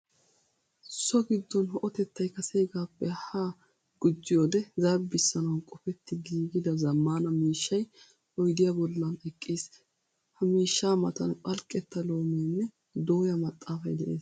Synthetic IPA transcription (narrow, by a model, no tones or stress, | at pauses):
sɔɡɪd̪ːɔnhɔʔɔt̪ɛt̪ːɐjkɐsejɡaːpːɛha | ɡ̥ʊd͡ʒːɪjoːd̪ɛzɐbːɪsːɐnɐwnkʼɔfɛt̪ːɪɡiːɡɪd̪ɐzɐmːaːnɐmiːʃːɐj | ʔɔjd̪ɪjɐbɔlːɐnɛkʼːiːs | hɐmiːʃːaːmɐt̪ɐnpʼɐlkʼːɛt̪ːɐlo̞ːmeːnːɛ | d̪oːjɐmɐt̪ʼːaːfɐjd̪ɛʔe̞ːs